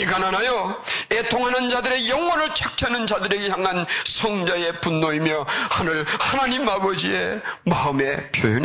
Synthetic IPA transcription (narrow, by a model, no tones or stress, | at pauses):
iɡananajoetʰoŋɦanɯnd͡ʑadɯɾe̞jʌŋwʌnɯɭt͡ɕʰak̚tʰjanɯnd͡ʑadɯɾe̞ɡe̞çjaŋansʰʌŋd͡ʑae̞punːoimjʌhanɯɭhanaɲimabʌd͡ʑiemaɯme̞pjojoɲ